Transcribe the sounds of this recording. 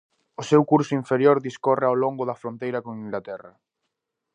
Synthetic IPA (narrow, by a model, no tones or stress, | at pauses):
ʊsewkuɾsʊiɱfeɾjoɾðiskɔreawloŋɡʊðɐfɾont̪ejɾɐkoŋiŋɡlat̪ɛrɐ